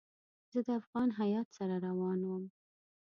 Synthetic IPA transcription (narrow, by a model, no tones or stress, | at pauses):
zəd̪əafɣɑnɦajɑt̪saɾaɾawɑnwəm